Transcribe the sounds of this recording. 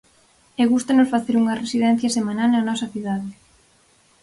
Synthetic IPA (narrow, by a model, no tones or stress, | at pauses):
ɛɣust̪ɐnʊsfaθeɾuŋɐresiðɛn̟θjɐsemanalnɐnɔsɐθiðaðɪ